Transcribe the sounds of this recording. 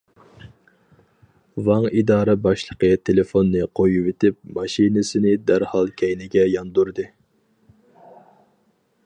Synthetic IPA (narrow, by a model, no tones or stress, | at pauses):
vɑŋid̪ɑːɾɨbɑʃlˠəqʰət̪ʰelɪfonːɨqʰojuwet̪ʰɪp̚mɑʃinɪsɪnɪd̪æɾhɑlˠkʲʰɛjnɪɡʲɛjɑnd̪uɾd̪ɨ